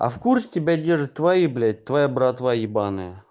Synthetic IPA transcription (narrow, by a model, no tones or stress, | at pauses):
ɐ̰fkursʲtʲɪbʲadʲerʐɨtʲt̪ːvajiblʲæt̚ʲt̪ːvajabɾat̪vajɪbanɨ̰jə